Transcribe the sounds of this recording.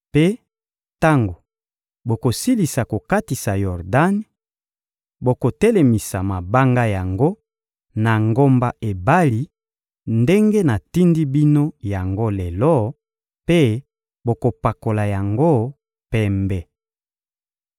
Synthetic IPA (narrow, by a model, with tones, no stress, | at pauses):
pe˦ | ta˦ŋɡo˨ | bo˨ko˨si˦li˨sa˨ko˨ka˦ti˨sa˨jɔ˨ʁda˦n | bo˨ko˨tɛ˦le˨mi˨sa˨ma˨ba˦ŋɡa˦ja˨ŋɡo˦ | na˨ŋɡo˦mba˦ʔe˨ba˦li˦ | nde˦ŋɡe˦na˨ti˦ndi˦bi˦no˦ja˨ŋɡo˦lɛ˨lɔ˦ | pe˦ | bo˨ko˨pa˨ko˨la˨ja˨ŋɡo˦ | pɛ˦mbɛ˨